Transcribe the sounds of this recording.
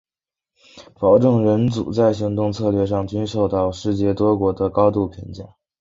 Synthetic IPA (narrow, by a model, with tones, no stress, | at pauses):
pɑ˧˥ʊʈ͡ʂɤ˥˩ŋɻə˧˥nt͡sṵ˨˩t͡sa˥˩ɪɕi˧˥ŋt̪ʊ˥˧ŋt͡sʰɤ˥˧lɥɛ˥˧ʂ̬ɑ˥˩ŋt͡ɕy˥nʂo˥˧ʊt̪ɑ˥˧ʊʂɻ̩˥˧t͡ɕjɛ˥˩t̪wɔ˥kwɔ˧˥d̪ə˧kɑ˥ʊt̪u˥˩pʰḭ˧˥ŋt͡ɕjɑ̰˥˩˦